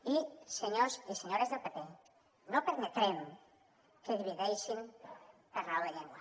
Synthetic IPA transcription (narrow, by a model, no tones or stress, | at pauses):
iseɲoziseɲoɾezðəlpepe | nopəɾmet̪ɾem | keðiβiðejʃinkərawðeʎeŋɡwə